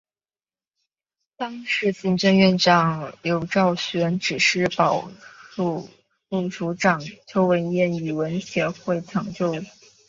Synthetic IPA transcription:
t̪ɑ˥ŋʂɻ̩˧˥t͡ɕi˧˥nʈ͡ʂɤ˥˧ŋɥɛ˥˧nʈ͡ʂɑ˨˩ŋljo˧˥ʊʈ͡ʂɑ˥˩ʊɕɥɛ˧˥nʈ͡ʂɻ̩˨˩ʂɻ̩˥˩pɑ˨˩ʊu˥˧ | u˥˩ʈ͡ʂu˧˥ʈ͡ʂɑ˨˩ŋt͡ɕjo˥ʊwə˧˥njɛ˥˩ny˨˩wə˧˥nɕjɛ˧˥xwe˥˩ɪʈ͡ʂʰɑ˨˧˩ŋt͡ɕjo˥˧ʊ

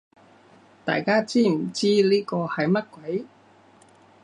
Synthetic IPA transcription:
t̪a̰ː˨jkaː˥t͡siː˥m̩˨˩t͡siː˥liː˥kɔː˧hɐ˨jmɐ˥t̚kwɐ˨˦˥j

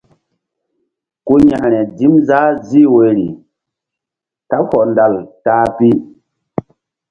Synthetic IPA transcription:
ku˦ɲa˨nɛ˨di˦mza˦zi˦˨we˦˨ɾi˨ | ta˦hɔ˨nda˨ltaː˦pi˦

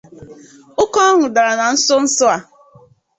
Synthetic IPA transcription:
ʊ˦kɔ˦ŋʊ˨da˨ɾa˨na˨n̩˦sʊ˦n̩˦sʊ˦a˨

